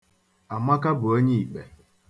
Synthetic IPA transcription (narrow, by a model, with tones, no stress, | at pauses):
a˨ma˦ka˦bʊ˨o˦ɲi˦i˨k͡pe˨